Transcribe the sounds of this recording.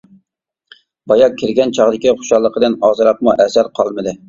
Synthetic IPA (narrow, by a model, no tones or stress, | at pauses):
bɑjɑkʲʰːɪɾɡʲɛnt͡ʃʰɑʁd̪ɪkʲiχʊ̥ʃɑlˠːəqəd̪ɪnɑːzɨɾɑq̚muʔɛsæɾqʰɑlˠmɨd̪ɪ